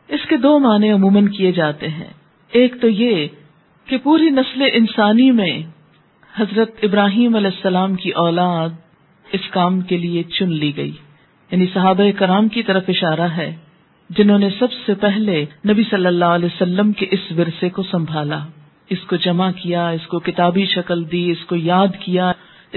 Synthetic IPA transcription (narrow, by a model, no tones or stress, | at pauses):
ɪsked̪oːmaːnẽʊmuːmənkijed͡ʒaːt̪eɦɛ̰̃ː | eːkt̪oje | kepuːɾinɐsleʔɪnsaːnimẽ | hɐzɾət̪ɪbɾaːɦiːmɐlɛːɪsːɐlaːmkiʔɔːlaːd̪̚ | ɪskaːmkeliet͡ʃʊnliɡɐḭː | jaːnisɐɦaːbaekɐɾaːmkit̪ɐɾəfɪʃaːɾaɦɛː | d͡ʒɪnɦõːnesɐbsepɛɦlenɐbisɐlːəlːaːɐlɛːsɐlːəmkeʔɪsʋɪɾsekosɐ̃mbʱaːla | ɪskod͡ʒɐmakijaɪskokɪt̪aːbiʃɐkəld̪iɪskojaːd̪kija | ɪ